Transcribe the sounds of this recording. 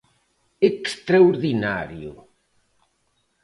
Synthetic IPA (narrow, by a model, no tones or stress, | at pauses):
ekst̪ɾaoɾðina̰ɾjʊ̰